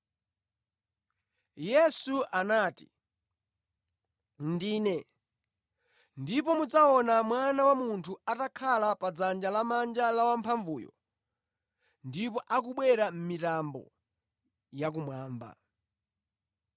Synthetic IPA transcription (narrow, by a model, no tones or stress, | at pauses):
jɛsuʔanaːti | ndiːnɛ | ndipɔmud͡zaɔnamwanawamuntʰuatakʰalapad͡zand͡ʒalamand͡ʒalawampʰaɱvuːjɔ̰ | ndipɔʔak̬uɓwɛɾam̩mitambɔ̰ | jak̬umwaːmba̰